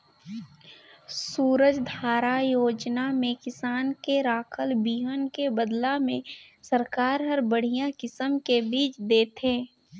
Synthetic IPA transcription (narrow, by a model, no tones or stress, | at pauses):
suːɾəd͡ʒd̪ʱaːɾajoːd͡ʒnamẽkɪsaːnkeɾaːkʰəlbiːɦənkebəd̪lamẽ | səɾkaːɾɦəɾbəɽ̤ijãkɪsəmkebiːt͡ʃd̪eːt̪ẽː